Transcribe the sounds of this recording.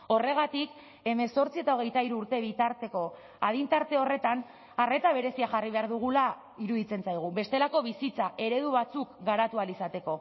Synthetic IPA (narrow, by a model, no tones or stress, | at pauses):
o̞re̞ɣ̞at̪ik | e̞me̞so̞ɾt͡sie̞t̪ao̞ɣ̞e̞jt̪aiɾuːɾt̪e̞β̞it̪aɾt̪e̞ko̞ | að̞int̪aɾt̪e̞o̞re̞t̪an | are̞t̪aβ̞e̞ɾe̞siaʝariβe̞aɾðuɣ̞ula | iɾuðit͡se̞nsajɣ̞uβe̞st̪e̞lako̞βisit͡saʔe̞ɾe̞ð̞uβ̞at͡sukɡaɾat̪ualisat̪e̞ko̞